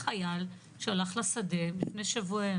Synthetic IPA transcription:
χajal | ʃalaχlasad̪elifnejʃavue

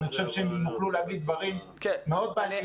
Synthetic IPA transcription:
niχo̥ʃevʃeemjuχluleaɡid̪̚d̪vaʁim | kːeo̞d̪̚beanj

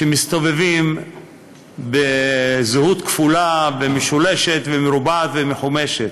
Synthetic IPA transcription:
ʃemist̪ovevim | bezhut̪kfulabemeʃuleʃet̪vemeɾubat̪vemeħumeʃet̪

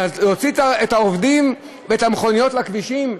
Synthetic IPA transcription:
aot͡sit̪aet̪aovdim | veet̪ameχo̞nijo̞tlakviʃim

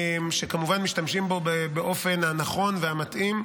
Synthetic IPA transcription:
mʃe̞kamuvanmiʃtamʃimbo̞bebeʔo̞fe̞nhanaχo̞nveamatʔim

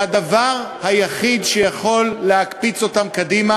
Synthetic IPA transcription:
adavaʁhajaχid̪ʃejaχo̞lːeakpit͡so̞tamkadima

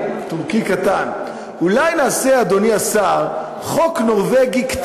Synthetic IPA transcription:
t̪uʁkikat̪an | ulajnaːsead̪o̞niasaʁ | χo̞kno̞ʁveɡikt

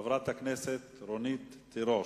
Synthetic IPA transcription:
avɾat̪haknɛset̪ɾonit̪ːiɾo

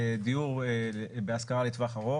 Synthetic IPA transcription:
d̪iuʁbeaskaʁalet̪vaχaʁo̞

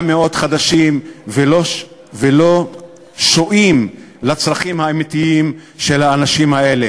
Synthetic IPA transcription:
meo̞d̪χad̪aʃimvelo | velo | ʃoʔim | lat͡sʁlaχimhaemit̪iimʃe̞lhaːnaʃimhae̞le

